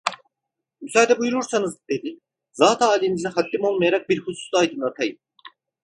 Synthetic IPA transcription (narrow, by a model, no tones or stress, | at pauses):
mysaːd̪ɛbujuɾuɾsanɯzd̪e̞d̪i | zaːt̪ʰaːlʲinizɛhat̪ʰːimo̞lˠmajaɾak̚biɾhusu̥slˠaːjd̪ɯnlˠat̪ʰajɯm